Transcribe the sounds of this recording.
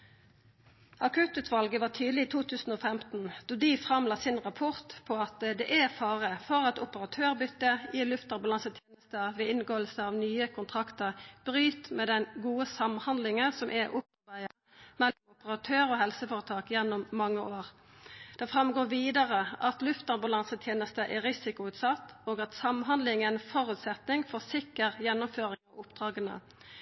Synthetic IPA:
ʔɑkʰʉt̪ʉːt̪ʋɑlɡəʋɑːt̪ʰyːd̪lɪiːt̪ʰuːt̪ʰʉːsn̩oːfɛmt̪n̩d̪̥oːd̪ifʁɑmlɑːsɪnʁɑpʰʊʁt̪pʰɔɑt̪d̪ɛʔæfɑːʁəfɔʁɑt̪ʊpəʁɑt̪ʰøːʁbʏt̪ːəɪlʉft̪ɑbɑlɑnsət̪ʰjeːnəst̪əʋɛɪnɡoːlsəɑʋnyːəkʰʊnt̪ʰʁɑkt̪əʁb̥ʁyːt̪mɛːd̪ɛnɡuːəsɑmhɑnd̪lɪŋəsɔmʔɛʔʊpɑbæɪə | mɛlːʊmʊpəʁɑt̪ʰøːʁɔhɛlsəfoːʁət̪ʰɑːkjɛnːʊmːɑŋːəʔoːʁ | d̪̥ɛfʁɑmɡoːʋiːd̪əʁəɑt̪lʉft̪ɑʁbɑlɑnsət̪ʰjeːnəst̪əʔɛʁɪsɪkʊʉːt̪sɑt̪ːoːɡɑt̪sɑmɦɑnd̪lɪŋənfɔʁʉːt̪sɛt̪nɪŋfɔsɪkːəʁjɛnːʊmføːʁɪŋɑʊpd̪ʁɑːɡənə̰

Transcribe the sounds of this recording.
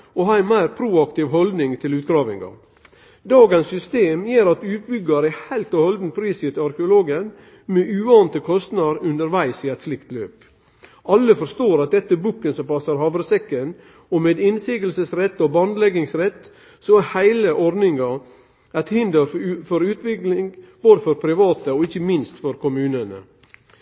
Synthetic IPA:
ɔhɑːɪmæɪɾpʰɾuːɑkt̪ɪʋɦɔld̪nɪŋt̪ʰɪlʉːt̪̚ɡɾɑːʋɪŋɑ̰ | d̪ɑːɡənsːʏst̪eːmjeːɾɑt̪ʉːt̪̚bʏɡɑɾæhæɪlt̪ɔhɔld̪n̩pʰɾiːsɪt̪ɪɑɾkəʊloːɡən | meːʔʉːɑːnt̪əkʰɔst̪nɑɾʉnd̪əɾʋæɪsiːɛt̪slɪkt̪løːp | ʔɑlːəfɔɾʂt̪oːɾɑt̪̚d̪ɛt̪ːəbuːkːənsɔmpɑsɑɾhɑːʋɾəsɛkːən | ɔmeːd̪ɪnsiːɡəlsəsɾɛt̪ːɔbɑnd̪lɛɡɪŋsɾɛt̪ː | sɔæhæɪləʔɔɾnɪŋɑ | æɪt̪hɪnd̪əɾfɔɾʉːt̪ʋɪklɪŋb̥oːd̪əfɔɾpʰɾɪʋɑːt̪əɔɪçəmɪnst̪fɔɾkʊmʉːnənə̰

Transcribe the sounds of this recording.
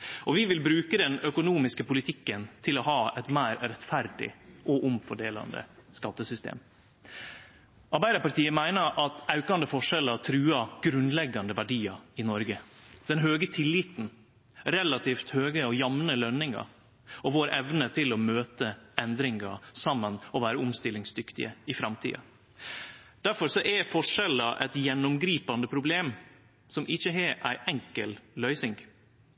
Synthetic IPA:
ʔɔʋɪʋɪlbɾʉːkəd̪ɛnœkʊnuːmɪskəpʊlɪt̪ʰɪkːənt̪ʰɪlɔɦɑːɛt̪mæːɾɾɛt̪fæɾd̪ɪ̰ʔɔʔʊmfɔɖeːlɑ̰nd̪ə̰skɑt̪ːəsʏst̪ḛːm | ɑɾbæɪɾɑpɑt̪iːəmæɪnəɾʔɑt̪ɑʉkɑnd̪əfɔʂɛlət̪ʰɾʉːɑɡ̥ɾʉnlɛɡɑnd̪əʋæɖiːɑɪnɔɾɡəd̪̥ɛnɦøːɡət̪ʰɪlːɪt̪n̩ | ɾɛlɑt̪ʰiːft̪høːɡəɔjɑmnəlœnɪŋɑ̰ | ɔʋoːɾʔɛʋnət̪ʰɪlɔmøːt̪əɛnd̪ɾɪŋɑ̰sɑmːənɔʋæːɾəʊmst̪ɪlɪŋsd̪ʏkt̪ɪ̰ə̰ɪfɾɑmt̪ʰḭːɑ̰ | d̪̥æɾfɔɾʂɔʔɛfɔʂɛlɑʔɛt̪jɛnːʊmɡɾiːpɑnd̪əpʰɾʊbleːm | sɔmʔɪçəɦɛʔæɪʔɛŋkəllœʏsɪŋɡ

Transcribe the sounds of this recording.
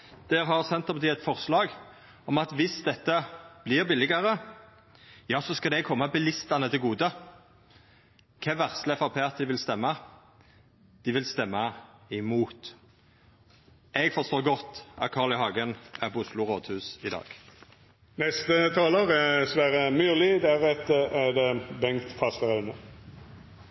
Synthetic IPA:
d̪̥ɛɾɦɑʁsɛnt̪ːɑpɑt̪iːɛt̪fɔʁslɑːɡ | ɔmɑt̪ʋɪsd̪ɛt̪ːəb̥lɪʁbɪlːɪɡəʁə | jɑːsɔskɑld̪ɛkʰɔmːɑbɛlɪst̪ɑnət̪ʰɪlɡuːd̪ə | kʰɛːʋæʁslɛfɑpʰeːɑt̪d̪ɪʋɪlst̪ɛmːɑ | d̪̥ɪʋɪlst̪ɛmːɑɪmuːt̪ | ɛɡfɔst̪oːʁɡɔt̪ːɑ̰t̪̚kʰɑːʁlɪɦɑɡənæʁbɔʊslʊʁoːd̪hʉːsɪd̪ɑ̰ːɡ̥ | nɛst̪ət̪ʰɑːloːʁæsʋæːʁəmyːlɪd̪æʁɛt̪əæd̪ɛbɛŋt̪fɑst̪əʁɑʉnə

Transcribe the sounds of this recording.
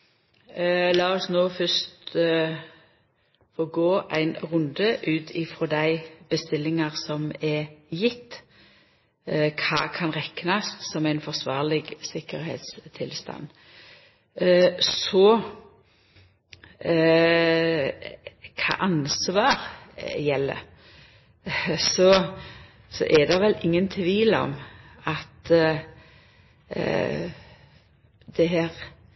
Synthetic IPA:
lɑːɔsnoːfœst̪ | fɔɡoːʔæɪnʁʊnd̪əʔʉːt̪ʰɪfɾɔd̪æɪb̥əst̪ɪlːɪŋɑʁsɔmɛjɪt̪ː | kʰɑːkʰɑnʁɛknɑst̪sɔmæɪnfɔʁsʋɑːʁlɪɡsɪkəɾhḛːt̪st̪ʰɪlst̪ɑ̰nː | sɔ | kʰɑ̰ːʔɑnsʋɑːʁjɛlːə̰ | sɔ | sɔ̰ʔɛd̪ɛʋɛlɪŋːənt̪ʰʋiːlɔ̰m | ɑt̪ | d̪ɛɦæːʁ

